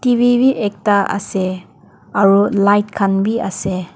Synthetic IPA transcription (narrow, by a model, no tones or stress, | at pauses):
tibʱibiʔek̚taɐ̰se | ɐɾulajt̚kʰanbiɐ̰se